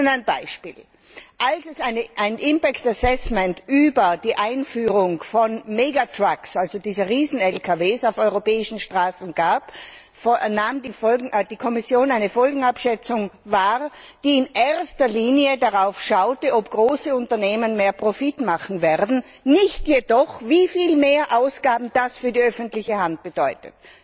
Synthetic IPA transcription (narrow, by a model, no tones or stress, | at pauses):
naɪnbaɪʃpḭːl | ʔalsɛsaɪnəʔaɪnʔɪmpɛktɛɐsɛsmɛntʔyːbɐd̥iːʔaɪnfyːʁʊŋfɔnmeːɡatʁ̥aksʔalzodiːzəʁiːzn̩ɛlkʰaveːsaʊfɔʏʁopɛːɪʃn̩ʃtʁ̥aːsn̩ɡ̥aːp | fnaːmdiɔd̥iːkʰɔmɪsjoːnaɪnəfɔlɡŋ̩apʃɛt͡sʊŋvaːʁd̥iːɪnʔeɐstɐliːnjədaʁaʊfʃaʊtəɔpɡ̥ʁoːsəʊntɐneːmənmeːɐpʁ̥ofitmaχn̩vɛʁdn̩ | nɪçtjedɔχvifiːlmeːɐʔaʊsɡ̥aːbm̩d̥asfyːɐdiːœfəntlɪçəhant̚b̥əd̥ɔʏtət